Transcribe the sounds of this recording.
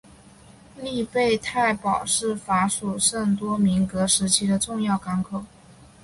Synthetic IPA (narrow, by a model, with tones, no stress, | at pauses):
li˥˧pe˥˧ɪt̪ʰa˥˩ɪpɑ˨˩ʊʂɻ̩˥˩fa˧˥ʂu˨˩ʂə˥˩ŋt̪wɔ˥mi˧˥ŋkɤ˧˥ʂɻ̩˧˥t͡ɕʰi˥d̪ə˨ʈ͡ʂʊ˥˧ŋjɑ˥˩ʊka˧˥nkʰo˨˩ʊ